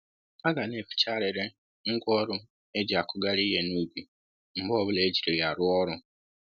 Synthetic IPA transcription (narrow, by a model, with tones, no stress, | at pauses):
a˦ɡa˨ne˨fi̥˨t͡ʃa˦ɾe˨ɾe˦ | ŋ̩˦kʷɔ˦ɾʊ˦ | e˦d͡ʒi˨a˨kʊ˦ɡa˦ɾi˦ɦe˦nu˦ɡi˨ | m̩˨bɔ˦bʊ˦le˦d͡ʒi˨ɾi˨ja˨ɾʊ˦ɔ˦ɾʊ˦